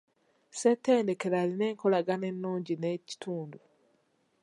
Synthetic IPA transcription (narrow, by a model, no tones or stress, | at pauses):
setːe̞ːnde̞ke̞ɾaline̞ːŋko̞laɡane̞nːuːɲɟineci̥tʰuːndu